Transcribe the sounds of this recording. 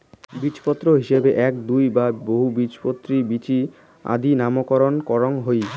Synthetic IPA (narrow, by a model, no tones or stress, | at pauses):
bit͡ɕpɔt̪ːɾoɦiʃebeʔɛkd̪ujbaboɦubit͡ɕpot̪ːɾibit͡ɕi | a̰d̪inamokɔɾonkɔɾonɦoj